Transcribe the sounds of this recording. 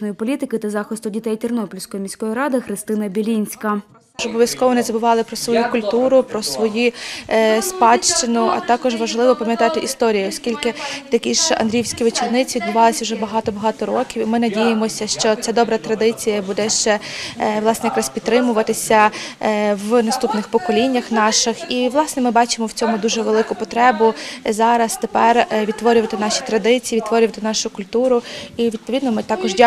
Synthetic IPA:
nɔjipɔlʲit̪ɪkɪt̪ɐzɑxɪst̪ʊdʲit̪ɛjtʲɪrnɔpɔlʲsʲkɔjɔmʲisʲkɔjiɾɑd̪ɪxɾɪst̪ɪnɐbʲilʲinʲsʲkɐ | ʒɔbɔʋʲjɐskɔʋɔnɪzɐbʊʋɑlˠɪpɾɔsʋɔjukʊlʲt̪uɾʊpɾɔsʋɔju | spɑʃt͡ʃɪnʊʔɐ̰t̪ɑkɔʒʋɐʒlˠɪʋɔpɐmjɐt̪ɑt̪ɪʔist̪ɔɾʲijʊɔskʲilʲkɪt̪ɐkʲiʒɐ̰nd̪ɾʲiwsʲkʲiʋet͡ʃirnɪt͡sʲiid̪bʊʋɑlˠɪsʲɐʊwʒɛbɐɦɑt̪ɔbɐɦɑt̪ɔɾɔkʲiwimɪnɐdʲijemɔsʲɐʃt͡ʃɔt͡sʲad̪ɔbɾɐt̪ɾɐd̪ɪt͡sʲijɐbud̪ɛʃt͡ʃɛʋlˠɑsnɛjɐkɾɑspʲid̪t̪ːɾɪmʊʋɐt̪ɪsʲɐ | ʋnɐst̪upnɪxpɔkɔlʲinʲːɐxnɑʃɪxiʋlˠɑsnɛmɪbɑt͡ʃɪmɔwt͡sʲɔmʊd̪uʒɛʋelˠɪkʊpɔt̪ɾɛbʊzɑɾɐst̪epɛrʋʲid̪t̪ʋɔɾʲʊʋɐt̪ɪnɑʃi̥t̪ɾɐd̪ɪt͡sʲiːʋʲid̪t̪ʋɔɾʲʊʋɐt̪ɪnɑʃʊkʊlʲt̪uɾʊiʋʲid̪̚pɔʋʲid̪nɔmɪt̪ɑkɔʒdʲ

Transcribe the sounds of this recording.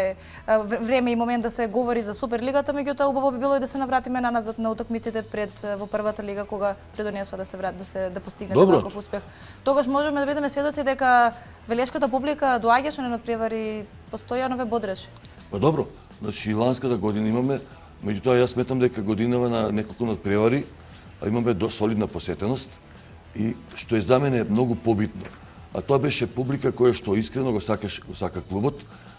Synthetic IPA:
vɾɛmɛimɔmɛnt̪d̪asɛɡovɔɾizasup̬ɛɾliɡat̪amɛɟut̪ɔaubavɔbibilˠɔid̪asɛnavɾat̪imɛnanazat̪naut̪ɔkmit̪sit̪ɛpɾɛd̪vɔpr̩vat̪aliɡakoɡapɾɛd̪ɔnɛsoad̪asɛvɾat̪d̪asɛd̪apost̪iɡnɛd̪bnakofuspɛx | t̪oɡaʃmɔʒɛmɛd̪abid̪ɛmɛsvɛd̪ot̪sid̪ɛka | vɛlɛʃkat̪ap̬ublikad̪ɔaɟaʃɛnɛnɔt̪̚pɾɛvaɾi | post̪oianovɛbɔd̪ɾɛt͡ʃɛ̥ | pad̪ɔbɾɔ | zna̰t͡ʃiːlˠanskat̪aɡɔd̪inaimamɛ | mɛɟut̪ɔajasːmɛt̪amd̪ɛkaɡod̪inavananɛkolˠkunat̪̚pɾɛvaɾi | a̰imamɛd̪sɔlid̪naposvɛt̪ɛnɔst̪ | iʃt̪oɛzamɛnɛmnɔɡupɔbit̪no̰ | a̰t̪oabɛʃɛpublikakɔjaʃt̪ɔiskɾɛnɔɡosakaʃɛɡɔsakaklˠubɔt̪

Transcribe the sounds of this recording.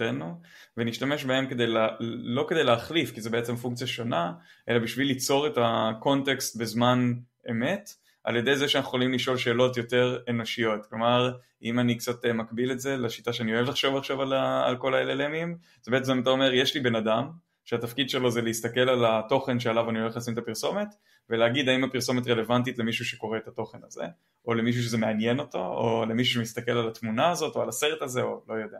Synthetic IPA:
enu | veniʃtame̞ʃbae̞mke̞d̪ejlalo̞ked̪e̞jleːχlifkizebeet͡se̞mfuŋk̚t͡sijaʃo̞naʔe̞labiʃvilːit͡so̞ʁe̞tako̞nt̪e̞kst̪̚be̞zman | e̞me̞t | ʔa̰lje̞d̪ejzeʃeanaχu̥χolimliʃo̞lʃe̞ːlo̞tjo̞te̞ʁeno̞ʃijo̞tklo̞maʁ | imanikt͡sat̪emakbiletze̞leʃitaʃeanio̞evlaχʃo̞vaχʃovala̰ːlkolaelelemim | zebeetzmaimat̪̬aome̞ʁjeʃlibe̞nadam | ʃeat̪afkid̪ʃe̞lo̞zeleist̪ake̞lalato̞χe̞nʃealavanioleχlasimet̪apiʁso̞me̞t̪ | veleaɡid̪aimapiʁso̞met̬ʁe̞le̞vant̬itle̞miʃuʃe̞ko̞ʁeet̪at̪o̞χe̞naze̞̰ | ʔo̞lemiʃ̬uʃ̬ezemeanje̞no̞to̞o̰le̞miʃ̬uʃemist̪ake̞lalatmunaːzo̞to̞alase̞ʁetaze̞o̞lo̞jod̪ea

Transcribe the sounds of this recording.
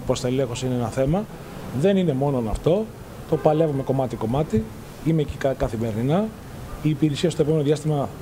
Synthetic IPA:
post̪ɐelexosineenɐθemɐ | ðe̞nine̞mo̞nonɐ̰ft̪o̞ | t̪o̞pɐle̞vume̞ko̞mɐt̪iko̞mɐt̪i | imecikkɐθime̞ɾninɐ | iːpiɾisiɐst̪opomeoðiɐst̪imɐ

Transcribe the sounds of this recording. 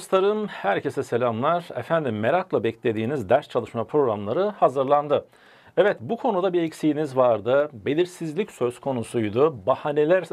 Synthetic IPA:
st̪aɾɯmhæɾcʰe̞sɛse̞lʲamlˠaɾ̥ɛfænd̪imːe̞ɾaklˠabɛclʲe̞d̪iːnizd̪æɾst͡ʃʰalˠɯʃmapʰɾo̞ɡɾamlˠaɾɯhazɯɾlˠand̪ɯ | ɛvɛt̪bukʰo̞nud̪abiɛcsijinizvaɾd̪ɯbe̞lʲiɾsizlʲicsø̞z̥kʰo̞nusujd̪ubahane̞lʲæɾ

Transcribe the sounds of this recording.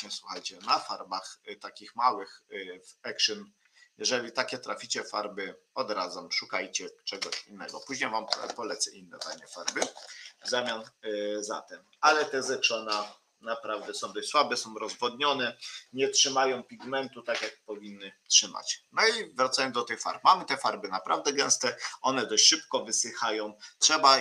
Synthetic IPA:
ɲɛswuxajt͡ɕɛnafaɾbaxt̪akʲixmawɘxvɛkʂɛn | jɛʐɛlʲit̪akʲɛt̪ɾa̰fʲit͡ɕɛfaɾbɘ | ɔd̪ɾazɔmʂukajt͡ɕɛt͡ʂɛɡɔɕinːɛɡɔpuʑɲejvampɔlɛt̪sɛʔinːɛ̰t̪aɲɛfaɾbɘzamʲjanza̰t̪ɛm | alɛt̪ɛzɛt͡ʂɔna | napɾavd̪ɛsɔ̃w̃d̪ɔɕʲswabɛsɔ̃w̃ɾɔzvɔd̪ɲɔnɛɲɛtʂɘmajɔ̃w̃pʲiɡmɛnt̪ut̪akjak̚pɔvʲinːɘtʂɘma̰t͡ɕnɔivɾat̪sajɔnd̪ɔt̪ɘxfa̰ɾp̚mamɘt̪ɛfaɾbɘnapɾavd̪ɛɡɛ̃w̃st̪ɛɔnɛd̪ɔɕʂɘpkɔvɘsɘxajɔ̃w̃tʂɛba

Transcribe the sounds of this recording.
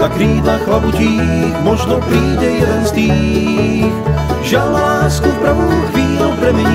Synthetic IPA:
akɾiːd̪laxlabuciː | xmɔʒnɔpɾiːɟɛjɛd̪ɛnzd̪iː | ʒalnalaːskufpɾaɦukviːd̪ɔpɾɛmɛɲi

